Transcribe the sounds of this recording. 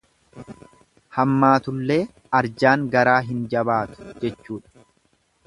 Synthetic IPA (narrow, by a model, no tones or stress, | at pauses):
hɐmːaːt̪ʊlːe̞ː | ɐɾd͡ʒaːŋɡɐɾaːɦɪnd͡ʒɐbaːt̪ʊ̥d͡ʒɛt͡ʃːuːᶑɐ̥